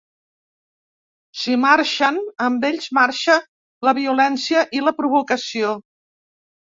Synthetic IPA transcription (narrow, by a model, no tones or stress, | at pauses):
simaɾʃənəmbeʎʲzmaɾʃə | ləβiulɛnsiəʔiləpɾuβ̞ukəsio